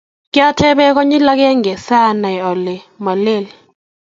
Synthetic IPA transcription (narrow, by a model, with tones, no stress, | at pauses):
kʼja˦tʰɛ˦ɓɛ˦k̬ɔ˦ɲi˦la˦k̬ʼɛ˦ŋɛ˨sa˦na˨ɔ˨lɛ˨ma˨le˦˨li